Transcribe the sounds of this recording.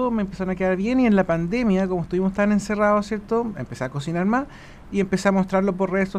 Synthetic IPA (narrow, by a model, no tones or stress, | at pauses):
omeːmpesaɾonakeðaɾβje̞nienlapand̪e̞mjakomoest̪uβimost̪ane̞nse̞raðosjeɾt̪oḛmpeseako̞sinaɾmas | iempe̞seamost̪ɾaɾlo̞p̬oɾreso